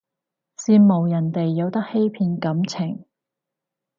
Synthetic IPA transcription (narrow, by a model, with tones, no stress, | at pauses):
siː˧nmo˨˩wjɐ˨˩nt̪e˨jːɐ˨˧wt̪ɐ˥k̚he˥jpʰiː˧nkɐ˨˥mt͡sʰɪ˨˩ŋ